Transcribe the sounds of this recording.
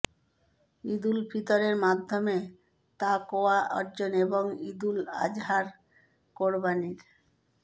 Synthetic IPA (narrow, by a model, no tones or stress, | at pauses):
id̪ulpʰit̪oɾeɾmad̪ʱːome | t̪akoaɔ̰ɾd͡ʑoneboŋid̪ula̰d͡ʑɦaɾ | koɾbaniɾ